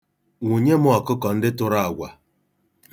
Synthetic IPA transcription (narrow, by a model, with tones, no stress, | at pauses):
ŋʷu˨ɲe˦mʊ˦ɔ˨kʊ˦kɔ˨n̩˦dɪ˦tʊ˦ɾa˦˨a˨ɡʷa˨